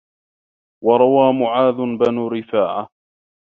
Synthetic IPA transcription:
wɑɾˤɑwaːmʊʕaːd̪ʊbanuːɾɪfaːʕa

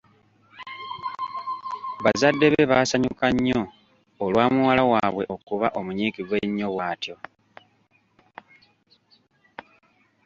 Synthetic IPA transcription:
βazadːe̞βe̞βaːsaɲukaɲːo̞ː | lwaːmuwalawaːβwe̞ʔo̞kuβaʔo̞muɲiːkiɡwe̞ɲːo̞βwaːtjo̞

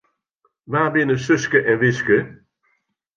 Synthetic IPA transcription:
ʋaːbɪnəsɵskəʔɛnʋɪskə

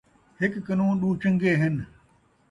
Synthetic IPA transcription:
hɪkːənõːɗuːt͡ʃə̃ŋɡeːɦɪn

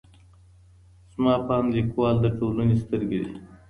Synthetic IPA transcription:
z̥mɑpɑːmlikwɑld̪əʈolənest̪əɾɡed̪ḭ

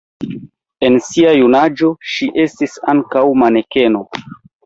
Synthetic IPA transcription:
e̞nsiajunad͡ʒo̞ʃiʔe̞stisaŋkawmane̞ke̞no̞

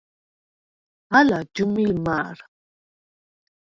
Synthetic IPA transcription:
halad͡ʒumilmaɾ

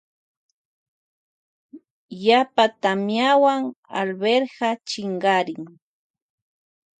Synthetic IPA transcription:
japat̪amjawaŋa̰lbeɾɢɑt͡ʃɪɴɢɑɾɪŋ

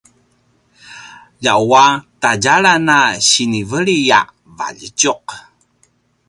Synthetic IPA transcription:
ʎawataɟaɾanaɕinivəɭija̰ | va̰ʎəcuq

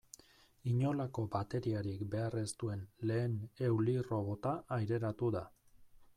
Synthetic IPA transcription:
iɲo̞lako̞bat̪e̞ɾiaɾikbe̞are̞st̪ue̞nle̞ːne̞wliro̞βo̞t̪aʔajɾe̞ɾat̪uða

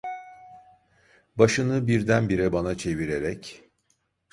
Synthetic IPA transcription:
baʃɯnɯbiɾd̪ænbiɾɛbanat͡ʃʰe̞viɾeɾɛc

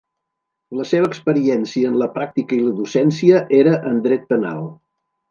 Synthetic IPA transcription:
ləseβ̞əːkspəɾiɛnsiəːnləpɾak̚t̪ikəiləðusɛnsiəʔeɾəʔənd̪ɾɛt̪̚pəna̰lˠ

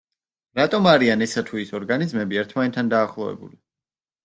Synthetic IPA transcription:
ɾat̪ʼɔmaɾianɛsat̪ʰuisɔɾɡanizmɛbiɛɾt̪ʰmanɛt̪ʰːand̪aːχlˠɔvɛ̰bṵli

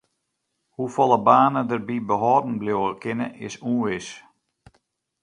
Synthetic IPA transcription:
hufɔlˠəbaːnədərbibəɦɔːdn̩bljoːəkʰɪnəʔɪ̰suːʋɪs

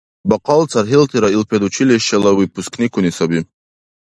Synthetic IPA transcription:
bɑqɑlˠt͡saɾɦilt̪ʰiɾailpʰed̪ut͡ʃʰileʃɛlawipʰusknikunisabi

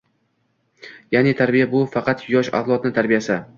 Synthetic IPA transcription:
janet̪ʰaɾbijabʊfɑqɑt̪jɒʃa̰flˠɒt̪nɪt̪ʰaɾbijasa

